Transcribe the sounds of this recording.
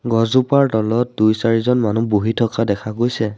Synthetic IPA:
ɡɔzupaɹtɔlɔt̚dujsaɹizɔnmanuboɦitʰɔkadɛkʰaɡojsɛ

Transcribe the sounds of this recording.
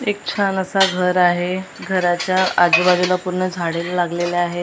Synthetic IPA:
ek̚t͡ɕʰanəsaɡʱəɾaɦeɡʱəɾat͡ɕjaad͡ʑubad͡ʑulapuɾɳəd͡zʱaɽelalaɡleleaɦe

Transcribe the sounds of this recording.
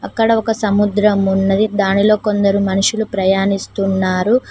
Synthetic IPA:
ɐkːɐɽɐokɐsɐmud̪ɾɐmunːɐd̪id̪aːnilo̞ːko̞nd̪ɐɾumɐnuʂulupɾɐjaːnist̪unːaːɾu

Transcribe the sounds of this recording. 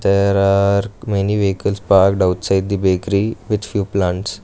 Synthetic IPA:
d̪eɾaɾmeniʋeikəlspaɾkɖaʊtsaɪɖ̚d̪ibekɾiʋɪd̪fjuːplãɳʈs

